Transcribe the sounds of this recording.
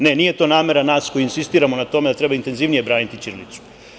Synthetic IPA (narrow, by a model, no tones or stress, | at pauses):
ne̞nije̞t̪o̞naːme̞ɾanaːsko̞juinsist̪iːɾamo̞nat̪o̞me̞d̪at̪ɾe̞baint̪e̞nziʋnije̞bɾaːnit̪it͡ʃiɾlḭt̪su̥